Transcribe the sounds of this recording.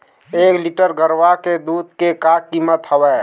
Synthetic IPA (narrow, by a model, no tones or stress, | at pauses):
ekliʈəɾɡəɾʋaked̪ud̪̚kekakːimət̪ɦəbɛ